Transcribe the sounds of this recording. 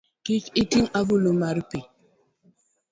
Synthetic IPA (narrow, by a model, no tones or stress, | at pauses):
kit͡ʃitiŋabulumaɾipe